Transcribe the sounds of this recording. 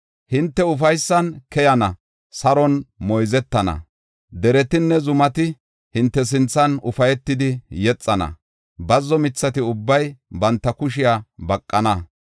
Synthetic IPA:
hɪnt̪ːɛʊf̬ɐjsːɐnkɛjɐnɐ | sɐɾɔnmɔjzɛt̪ːɐnɐ̰ | d̪ɛɾɛt̪ɪnːɛzʊmɐt̪ɪ | hɪnt̪ːɛs̬ɪnt͡sːɐnʊfɐjɛt̪ːɪd̪ɪjɛt͡sʼːɐnɐ̰ | bɐzːɔmɪt͡sːɐt̪ɪʊbːɐjbɐnt̪ːɐkʊʃɪjaːbɐkʼːɐnɐ

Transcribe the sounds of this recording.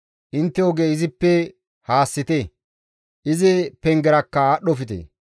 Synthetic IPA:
ʔɪnt̪ːɛjoɡeːɪzɪpːɛ | haːsːɪt̪e | ʔɪzɪpɛŋɡɛɾɐkːɐaɗɔfɪt̪ḛ

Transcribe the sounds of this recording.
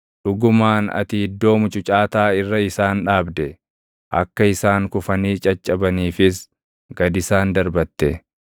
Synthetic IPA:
ᶑʊɡʊmaːnɐ̰t̪iɪd̪ːo̞ːmʊt͡ʃʼʊt͡ʃʼaːt̪aːɪrːɐɪsaːnᶑaːbd̪ɛ | ʔɐ̰kːɐɪsaːŋkʊfɐniːt͡ʃʼɐt͡ʃʼːɐbɐniːfɪs | ɡɐd̪ɪsaːnd̪ɐɾbɐt̪ːɛ

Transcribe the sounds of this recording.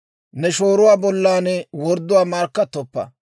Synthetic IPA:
nɛʃoːɾʊwaːbɔlːaːnɛwɔɾd̪ːʊwaːmaːɾkːɐt̪ːɔpːɐ̰

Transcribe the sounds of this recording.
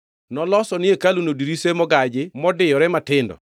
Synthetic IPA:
nɔlɔsɔnɪekalunodiɾisemɔɡad͡ʒɪmɔdɪjɔɾɛmatɪndɔ̰

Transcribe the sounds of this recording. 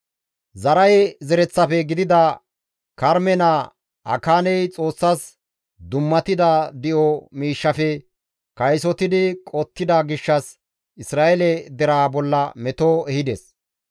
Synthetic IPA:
zɐɾɐjzɛɾɛt͡sːɐfɛɡɪd̪ɪd̪ɐ | kɐɾmɛna | ɐ̰kaːnɛjt͡sʼo̞ːsːɐs | d̪ʊmːɐt̪ɪd̪ɐd̪ɪʔɔmiːʃːɐfɛ | kɐjsɔt̪ɪd̪ɪkʼɔt̪ːɪd̪ɐɡɪʃːɐs | ɪsɾaːɛlɛd̪ɛɾaːbɔlːɐmɛt̪oɛhɪd̪ɛs

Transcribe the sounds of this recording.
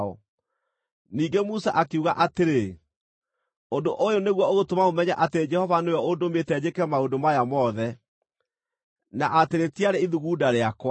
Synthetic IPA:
ɔ | niːɡemusaʔakeuɣaʔateɾe | ondoʔojoneɣwɔoɣotomamomɛɲaʔateɾed͡ʒɛhɔvaneojɔodometɛd͡ʑekɛmaodomajamɔðɛ | naʔateɾetiaɾeiðuɣudaɾeakwa

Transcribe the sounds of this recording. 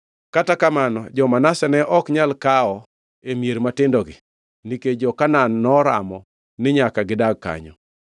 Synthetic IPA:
katakamanɔ̰d͡ʒɔmanasɛnɛʔɔkɲalkaɔ | emijeɾmatɪndɔɡɪ | niked͡ʒɔkananːɔɾa̰mɔ | nɪɲakaɡɪdaɡ̚ka̰ɲɔ̰

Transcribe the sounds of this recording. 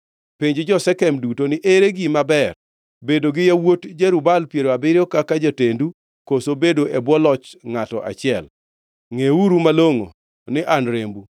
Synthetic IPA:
pɪɲd͡ʒd͡ʒɔsɛkɛmdutonɪʔeɾeɡimabɛr | bedoɡɪjawotd͡ʒeɾubalpjeɾoabɪɾjɔkakad͡ʒatendu | kosobedoʔebwɔlɔt͡ʃŋatɔ̰ʔa̰t͡ʃɪɛl | ŋeuɾumaloŋo̰ | nɪʔanɾembu

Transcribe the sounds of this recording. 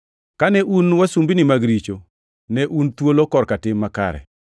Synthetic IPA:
kanɛʔunwasumbinɪmaɡɾit͡ʃo | nɛʔunt̪wolokɔrkatɪmːaka̰ɾɛ̰

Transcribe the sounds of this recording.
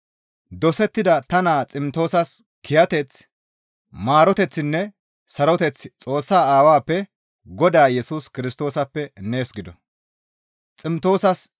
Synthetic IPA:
d̪ɔsɛt̪ːɪd̪ɐt̪ɐnaːt͡sʼɪmt̪o̞ːsɐs | kʰɪjɐt̪ɛt͡s | maːɾɔt̪ɛt͡sːɪnːɛ | sɐɾɔt̪ɛt͡st͡sʼo̞ːsːaːaːwaːpːɛ | ɡɔd̪aːjɛsuːskɪɾɪst̪o̞ːsɐpːɛne̞ːsɡɪd̪ɔ | t͡sʼɪmt̪o̞ːsɐs

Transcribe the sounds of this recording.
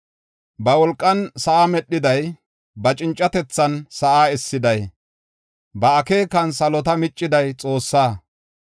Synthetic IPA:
bɐwɔlkʼːɐnsɐʔamɛɗːɪd̪ɐj | bɐt͡ʃʼɪnt͡ʃʼːɐt̪ɛt͡sːɐnsɐʔaːɛsːɪd̪ɐj | bɐːkeːkɐnsɐlɔt̪ɐmɪt͡ʃʼːɪd̪ɐjt͡sʼo̞ːsːaː

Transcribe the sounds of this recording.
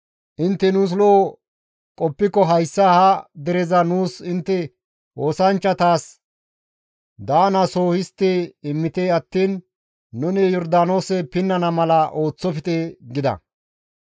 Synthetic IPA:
ʔɪnt̪ːɛnuːs̬loː | kʼɔpːɪkːɔɦɐjsːɐhɐd̪ɛɾɛzɐnuːsɪnt̪ːɛ | o̞ːsɐnt͡ʃːɐt̪aːs | d̪aːnɐso̞ːhɪst̪ːeːɪmːɪt̪eːɐt̪ːiːnː | ʊnɪjɔɾd̪aːno̞ːsɛpɪnːɐnɐmɐlɐʔo̞ːt͡sːɔfɪt̪ʼeɡɪd̪ɐ̰

